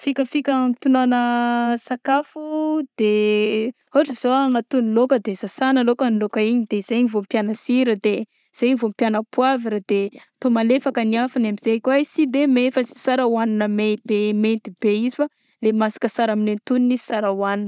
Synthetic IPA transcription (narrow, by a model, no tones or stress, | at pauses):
fikʲəfikʲəmt̪unanəsakafud̪̥e | oʈ͡ʂəzoaŋat̪unilokəd̪ezasanəlokənilokəiɲid̪ezeɲivompjanəsiɾəd̪e | z̥ejɲivompjanəpuaviɾad̪̥e | t̪omalefakəniafanamiz̥ekʲwasid̪emefasi̥saɾawaninəmeb̥ement̪ibeizifa | lemasi̥kəsaɾaminent̪uninizi̥saɾawaninə̥